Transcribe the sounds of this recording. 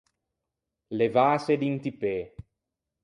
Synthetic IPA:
levaːsed̪int̪ipe

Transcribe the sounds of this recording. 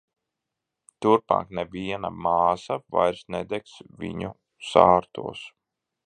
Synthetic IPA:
t̪uɾpa̰ːknɛbiɛna̰maːsava̰jɾsnɛd̪ɛksvʲḭɲu | saːɾt̪ṵɔs

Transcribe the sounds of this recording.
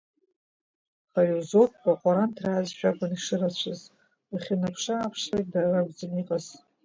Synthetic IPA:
χaɥuzotʰʼkʼaqʷʼaɾantʰraːzʃᶣaɡʷʊniʂɨrat͡ɕʷʰɨz | aχʲinapʰʂaːpʰʂlejt̚daraɡʷzɨniqʼaz

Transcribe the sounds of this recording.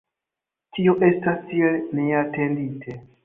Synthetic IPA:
tio̞ʔe̞stastielneate̞nditʰe

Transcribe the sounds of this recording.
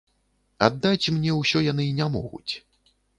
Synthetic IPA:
a̰d̪ːat͡sʲmnʲɛwsʲɔjan̪ɨinʲamɔ̰ɣṵt͡sʲ

